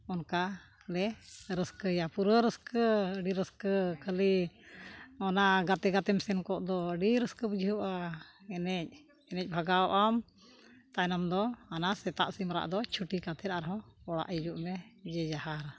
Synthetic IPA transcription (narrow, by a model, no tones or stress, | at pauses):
ɔnka | lɛɾəskəjapuɾəɾəskəəɖiɾəskəkʰəli | ɔnaɡat̪ɛɡat̪ɛmsɛnkɔʔd̪ɔəɖiɾəskəbəd͡ʒʱiɦəʔaɛnɛc̚ | ɛnɛc̚ˀbʱaɡaɔʔam | t̪anamd̪ɔanasɛt̪a̰ʔsimɾa̰ʔd̪ɔt͡ʃʰuʈikat̪ʰɛɾaɾɦɔ̃ɔɽa̰ʔid͡ʒuʔmɛd͡ʒɛd͡ʒaɦaɾ